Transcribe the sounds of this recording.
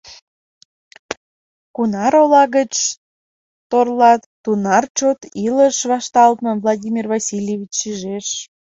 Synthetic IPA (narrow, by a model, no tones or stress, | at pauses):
kunɑɾolɑɣət͡ɕ | t̪orlɑt̪t̪unɑrt͡ɕot̪iləʃβɑʃt̪ɑlt̪̚məvlˠɑdʲimʲirvɑsʲilʲjevʲit͡ɕːiʒeʃ